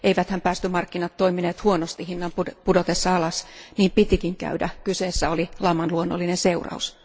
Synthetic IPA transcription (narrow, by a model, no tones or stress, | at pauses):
ʔeiʋæt̪hæmpæːst̪ymɑrkːinɑt̪toimineːt̪huonost̪ihinːɑmpupudot̪esːɑɑlɑsniːmpit̪ikiŋkæ̰ydæ̰kyseːsːæolilɑmːɑnluonːo̰lːinenseurɑ̰us